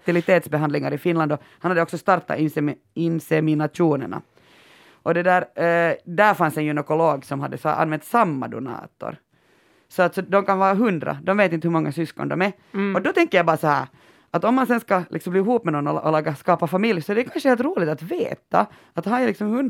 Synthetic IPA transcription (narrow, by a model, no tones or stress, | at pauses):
t̪ɪlɪt̪eːt̪sbɛɦand̪lɪŋaɾɪfɪnland̪ɔ | hanhad̪ːəɔksɔst̪ɑɾt̪ːa̰ɪsɛ | ɪnsɛmɪnat̪uːnɛ̰ɳa̰ | ʔɔd̪ɛd̪æːɾd̪æɾfansɛnjʉnɛkʊloːɡsɔmhad̪ːəsʔa̰nːvɛnt̪samːa̰d̪ʊ̰nɑ̰ːt̪ɔ̰ɾ | sɔat̪sɔd̪ɔmkanʋɑːɾaɦʉnd̪ɾa̰d̪ɔmveːt̪̬ɪnt̪əhʉmɔŋːasʏskɔ̰nd̪ɔ̰mɛ | ɔd̪ɔt̪ʰɛŋkːəɾjabɑːɾasɔhæ̰ːɾ | ʔat̪ɔmːansɛnskalʔɪksɔmbliːhuːpmɛnɔnːɔʔɔlɑːɡːaskɑːpafamɪljsɔɛɖɛkʰanʂəheːlt̪ɾuːlɪɡt̪at̪veːt̪a̰ | at̪haɛlɪksɔmhɵn